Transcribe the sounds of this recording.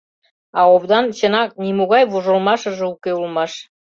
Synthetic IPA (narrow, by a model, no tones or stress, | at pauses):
ɑoβd̪ɑnt͡ɕə̆nɑk̚nimuɣɑjβuʒə̆lmɑʃə̆ʒĕukeulmɑʃ